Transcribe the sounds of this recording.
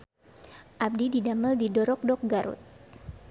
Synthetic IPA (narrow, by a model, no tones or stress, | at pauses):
ʔab̚dididaməldidɔɾɔk̚dɔk̚ɡaɾṵt̪̚